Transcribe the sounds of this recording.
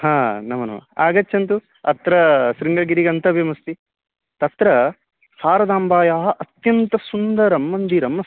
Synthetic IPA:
hãːnɐmɐnɐ̰mɐ̰a̰ːɡɐt͡ʃːʃɐnt̪u | ɐ̰t̪ɾɐsɾiŋɡɐɡiɾiɡɐnt̪ɐbjɐmɐst̪i | t̪ɐt̪ɾɐ | haːɾɐd̪aːmbaːjaːɦɐʔɐt̪jɐnt̪ɐsund̪ɐɾɐmːɐnd̪iɾɐmɐ

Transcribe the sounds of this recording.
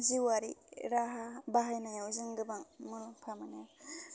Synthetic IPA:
ziwaɾiɾaɦabaɦajnajawzɯŋɡɯbaŋmulɔŋpʰamana

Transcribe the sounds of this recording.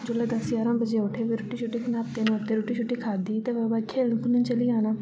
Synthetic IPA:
d͡ʒoleːd̪əsjaːɾõːbəd͡ʒeːoʈʰeːʋiːɾʊːʈiːt͡ʃʰʊʈːiːkʰənaːp̚t̪eːnũːəp̚t̪eːɾoːʈiːt͡ʃʰʊʈːiːkʰaːd̪iːt̪eːʋɛːbakʰeːlnũːkənənt͡ʃəliːaːnaː

